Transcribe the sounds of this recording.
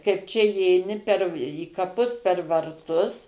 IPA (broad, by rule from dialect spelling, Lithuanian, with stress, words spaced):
kɐɪp ˈt͡ʃʲɛ iːɛɪˈnʲɪ pʲɛr iː kɐˈpʊs pʲɛr ʋɐrˈtʊs